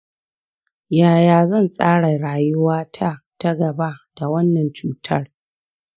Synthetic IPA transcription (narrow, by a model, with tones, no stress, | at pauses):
jaː˨jaː˨zɐ˦˨nsʼaː˦ɽa˨ɽaː˨jʊ˦waː˦tʰa˦ta˦ɡɐ˨ba˦d̥a˨wɐ˦nːɐ˨nt͡ʃuː˦tʰɐ˦r